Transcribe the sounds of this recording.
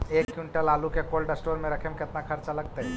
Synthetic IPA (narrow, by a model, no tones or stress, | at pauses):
ekjuɳʈəlalukekolɖəsʈoɾmeɾəkʰemket̪nakʰaɾt͡ʃaləɡ̚t̪aj